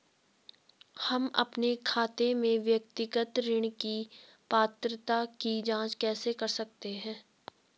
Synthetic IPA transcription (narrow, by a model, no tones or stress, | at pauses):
hɐmɐ̰pnekʰaːt̪emẽʋjəkt̪ɪɡət̪ɾɪɽ̃ki | paːt̪ɾət̪akid͡ʒãːt͡ʃkɛːsekɐɾsɐk̚t̪eɦɛ̃ː